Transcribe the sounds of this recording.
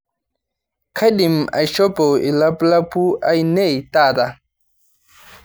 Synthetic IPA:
kʰa˦ɗi˨ma̰˨jʃɔ˦pɔ˨i˨la˦pla˦pu˦a˨jnɛ˦˨jta˦˨da˨

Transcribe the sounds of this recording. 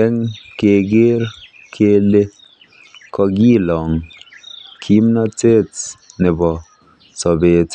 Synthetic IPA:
ɛ˦ŋke˨ɡe˦ɾ | kʰe˦le˦ | kɔ˧ɡi˦lɔ˨ŋ | kʰi˦mnɔ˦te˦˨tne˨bɔ˨ | sɔ˨be˨t

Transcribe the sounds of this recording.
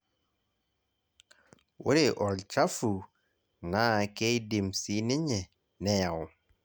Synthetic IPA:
wo̰˦ɾe˨ʔɔ˨lt͡ʃa˦fu˨ | na˦ke˦jdi˨msi˦ni˦ɲe˨ | nɛ˦ja˨w

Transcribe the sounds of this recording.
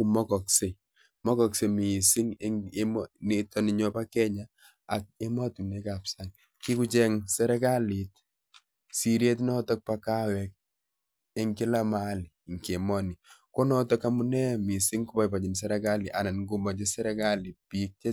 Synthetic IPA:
u˨mɔ˦kɔ˨kse˨ | mɔ˦kɔ˨kse˨mi˨si˦ŋe˦ŋemne˦tʰɔ˦ni˦ɲɔ˦pa˦kɛ˦ɲa˦ | a˨k̚e˦ma˦tu˨ne˦ka˨psa˦ŋ | ki˦ku˦t͡ʃɛ˦ŋsɛ˦ɾɛ˦ka˦li˨t̚ | si˨ɾje˦t̬nɔ˦tɔ˦k̚pa˨ka˦wɛk̚ | e˦ŋkɪ˦la˦ma˦li˨ŋke˨mɔ˦ni˨ko˦nɔ˦tɔ˦ka˦mu˦nɛ˦mi˨si˦ŋku˦pa˨jpa˨t͡ʃi˨ns̬ɛ˦ɾɛ˦ka˦li˨ʔa˨na˨nŋɡu˦mɔ˨t͡ʃe˦sɛ˦ɾɛ˦ka˦li˨pi˦k̚t͡ʃe˦

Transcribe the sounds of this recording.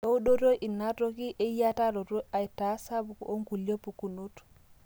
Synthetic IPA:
o˦u˦ɗo˦to˦ʔi˨nːa˦to˦ki˦ʔe˦ja˦ta˦ɾo˨to˦a˨i˨ta˨˦sa˦bu˨ko˦ŋku˨ljo˦pu˨ku˨nu˦t

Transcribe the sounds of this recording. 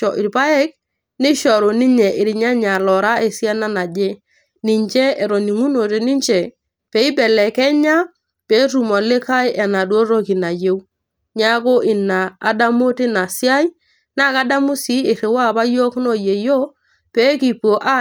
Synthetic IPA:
ɔ˨ʔi˨ɾpa˦ɛ˦k̚ | nɪ˦ʃɔ˨ɾo˨ni˦ɲɛ˨ʔɪ˨ɾi˨ɲa˦ɲa˨lɔ˨ɾa˦ʔe˨si˦a˦na˦na˨d͡ʒe˦ | ni˨ɲt͡ʃɛ˦e˨ɾo˨ni˨ŋu˦no˨te˨ni˦ɲt͡ʃɛ˨ | pe˨˦i˦bɛ˨lɛ˨kɛ˦ɲa˦ | pe˨˦ɾu˨mɔ˨lɪ˦ka˦jʔɛ˨na˨dwo˦ɾo˦ki˨na˨je˦w | ɲa˦ko˦ʔɪ˨na̰ː˨da˦mo˦ti˦na˨si˦a˦j | na˦˨ka˦da˦mʊ˦si˦ɪ˨ɾɪ˨wa˦˨pa˦jo˦kno˦˨je˨jo˦ | pe˨˦ki˨po˨ʔa˦

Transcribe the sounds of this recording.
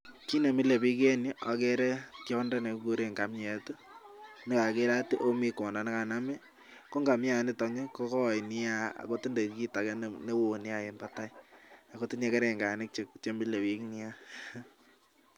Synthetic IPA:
ki˦ne˨mi˦le˨bi˦k̬e˦ni˦ʔa˨kɛ˦ɾɛ˦kjɔ˦nda˦ne˨˦ku˦ɾe˨ŋɡa˨mɲɛ˨tu˦ | nɪ˦ka˨ke˦ɾa˦ti˦ʔo˦mi˦kɔ˨nda˨nɪ˦ka˨na˦mɛ˦ | ko˦ŋɡa˨mja˨nɪ˦tɔ˨ɲɛ˦ko˦kɔ˦˨jnɪ˦a˦a̰˨ko˦ti˦nde˨˦ki˦ta˨kɛ˦nne˦wo˨nɪ˦a˨je˨mbata˦ia˨ko˦tɪ˦ɲe˦kɛ˦ɾe˨ŋɡa˨nɪ˦k̚t͡ʃe˨kt͡ʃe˦mi˦le˨bi˨knɪ˦ja˦

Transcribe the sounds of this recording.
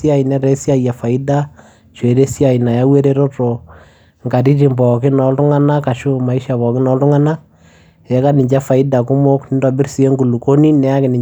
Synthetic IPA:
i˦a˦˨ɪ˨nɛ˦ɾɛ˦sja˦ja˨fa˨ɪ˦da˦ | t͡ʃo˨e˨ɾe˦si˦a˨ɪ˨na˨ja˦we˦ɾe˦ɾo˦to˨ | ŋɡa˨ɾi˦ɾi˨mbɔ˨kɪ˦nɔ˨˦ltʊ˦ŋa˦na˦ka˨ʃʊ˦ma˨ɪ˦ʃa˨bɔ˨kɪ˦nɔ˦ldʊ˦ŋa˦na˦ | jɛ˨ka˦nɪ˨ɲd͡ʒa˦fa˨ɪ˦da˨kʊ˦mo˦knɪ˦nda˨bɪ˦rsi˨e˦ŋɡu˨lu˨ko˦ni˦nɛ˨a˦kɪ˨nɪ˨

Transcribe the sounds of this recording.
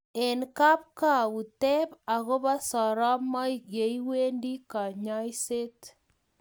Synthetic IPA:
e˨nka˦p̚ka˦˨u˨tɛ˦pa˨ɣo˦βa˦sɔ˨ɾa˦mɔ˦ikje˨iwe˦ndi˦ka˨ɲa˦jse˦t

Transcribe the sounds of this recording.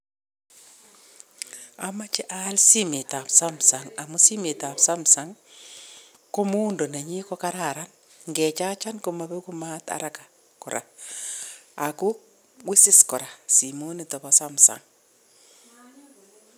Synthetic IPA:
a˨ma˦t͡ʃɛ˦ʔa˦lsi˦me˨ta˨psa˦msa˨ŋa˨mu˦si˦me˨ta˨psa˦msa˦ŋ | ko˦mo˦ndo˨ne˨ɲi˦kɔ˦ka˦ɾa˨ɾa˦n | ŋɡɛ˨t͡ʃa˦t͡ʃa˦nko˦ma˨be˦ku˦ma˦ta̰˨ɾa˦ka˨ | kɔ˨ɾʔa̰˨ | a˨ku˦ | wi˦sɪ˦skɔ˨ɾa˨si˨mo˦ni˨tɔ˨ba˨sa˦msa̰˨ŋ

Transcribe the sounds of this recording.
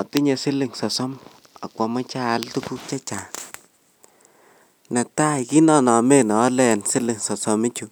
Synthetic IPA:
ɔ˨ti˦ɲe˨sɪ˦lɪ˨ŋsɔ˨sɔ˦m | a̰˨kwɔ˨ma˦t͡ʃaː˦ltu˦bu˦k̚t͡ʃa˦t͡ʃa˨ | na˨ta˦jki˦nɔ˦˨nɔ˨me˦nɔː˨˦lɛ˨nsɪ˦lɪ˨ŋsɔ˨sɔ˨mɪ˦t͡ʃu˨

